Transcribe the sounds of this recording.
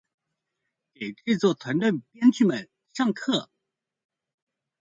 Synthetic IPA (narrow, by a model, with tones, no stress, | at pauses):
ke˨˩ɪʈ͡ʂɻ̩˥˧t͡swɔ˥˩t̪ʰwa˧˥nt̪ə˥˩npjɛ˥nt͡ɕʰy˥˩mə˨˩n | ʂɑ˥˧ŋkʰɤ˥˩